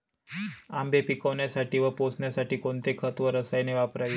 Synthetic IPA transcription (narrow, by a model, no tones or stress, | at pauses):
ambʱepikəʋnjasaʈiːʋəposɳjasaʈiːkoɳt̪ekʰət̪ʋəɾəsajneʋapɾaj